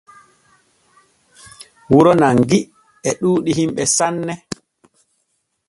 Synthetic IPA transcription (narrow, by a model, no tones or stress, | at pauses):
wuɾɔnaŋɡi | ɛɗuːɗihimɓɛsanːɛ